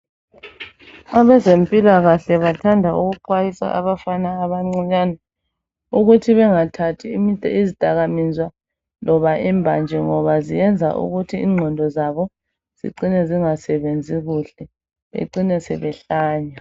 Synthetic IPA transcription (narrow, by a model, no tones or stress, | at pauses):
aβɛzempʼilaɣaɬɛβatʰandʱauɣuǃwajisa̰ʔa̰βafanaːβaŋ͡ǀɔɲana | uɣutʰiβɛŋatʰatʰiizid̥ʼʱaɣamizwa | lʔɔβaʔɛmbʱa̰nd͡ʒʱɛŋɔβazijɛnd͡zʱa̰ʔṵɣutʰiːŋ͡ǀʱɔndʱɔzaβɔ | z̥ḭǀinɛziŋasɛβend͡zʱiɣuɬɛ | βḛǀinɛsɛ̰βɛɬaːɲa